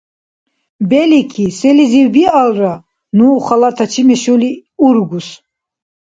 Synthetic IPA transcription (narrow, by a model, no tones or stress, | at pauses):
bɛlikʰisɛliziwbialra | nuːχalat̪ʰat͡ʃʰimɛʃuliuɾɡus